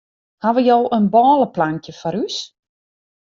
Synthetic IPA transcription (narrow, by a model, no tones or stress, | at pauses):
haʋəjɔwənbɔːləplaŋkjəfɔɾys